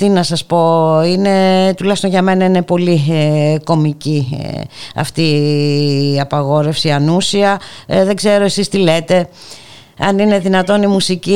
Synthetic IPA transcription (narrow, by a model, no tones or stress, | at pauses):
t̪inɐsɐspo̞ine̞t̪ulɐçst̪o̞nʝɐme̞nɐine̞po̞liko̞micḭ | ɐ̰ft̪i | ɐpɐɣo̞ɾe̞fsiɐnusiɐðe̞ɡze̞ɾo̞e̞sist̪ile̞t̪e̞ | ɐnine̞ðinɐt̪o̞nimusici